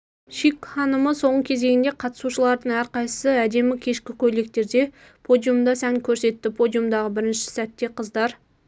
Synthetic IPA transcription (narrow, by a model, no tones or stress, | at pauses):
ʃikχɑnəməso̞ɴəkʲʰe̞ze̞ɡʲɪnd̪eqʰɑt̪ə̥suʃəlˠɑɾd̪əɴæɾqɑjsəsəæd̪e̞mɪkʲʰe̞ʃkʲɪkʲʰɵle̞k̚t̪e̞ɾd̪e̞ | pʰo̞d̪ijumd̪ɑsæŋkʲʰɵɾse̞t̪ːɪpʰo̞d̪ijumd̪ɑʁəbɪɾɪnʃɪ̥sæt̪ːe̞qʰəzd̪ɑɾ